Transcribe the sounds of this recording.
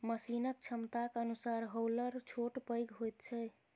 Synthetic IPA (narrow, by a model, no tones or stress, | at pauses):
məsinək̚t͡ʃʰəmt̪akənusaɾɦowləɾt͡ʃʰoʈpəjɡɦojt̪̚t͡ʃʰɛ